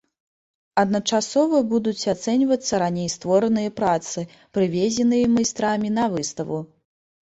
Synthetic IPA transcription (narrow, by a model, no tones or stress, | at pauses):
ɐd̪nɐt͡ʂasɔvɐbud̪ut͡sʲat̪sɛnʲvɐt̪sːɐɾanʲejst̪vɔɾɐnɨjɐpɾat̪sɨ | pɾɨvʲɛzʲɛnɨjɐmɐjst̪ɾamʲinɐvɨst̪ɐvu